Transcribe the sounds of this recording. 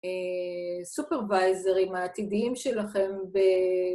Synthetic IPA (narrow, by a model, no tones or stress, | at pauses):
e | supeʁvajzeʁimaːt̪idiimʃelaχe̞mbe